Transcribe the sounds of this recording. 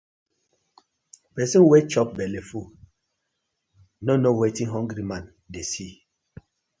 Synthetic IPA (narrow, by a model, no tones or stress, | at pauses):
pɛsĩwet͡ʃɔp̚bɛlefu | nonowetĩnɦɔ̃ŋɡɾimãn | desi